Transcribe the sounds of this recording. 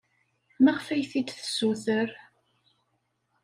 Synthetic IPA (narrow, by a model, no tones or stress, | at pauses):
mæʁfæjθid̪θə̥sːuθəɾ